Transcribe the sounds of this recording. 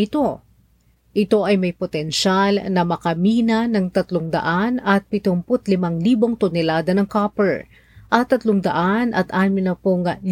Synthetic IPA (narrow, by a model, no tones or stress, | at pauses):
ɪt̪o̞ | ʔɪt̪o̞ʔɐjmɐjpot̪ɛnʃalnɐmɐkɐmiːnɐnɐŋt̪ɐt̪loŋd̪ɐ̰ʔanɐt̪̚pɪt̪ʊmpʊt̪lɪmaŋliːbo̞ŋt̪ʊnɛlaːd̪ɐnɐŋkapɛɹ | ʔɐt̪ːɐt̪loŋd̪ɐʔanɐ̰t̪ʔaːmɪnɐpoŋl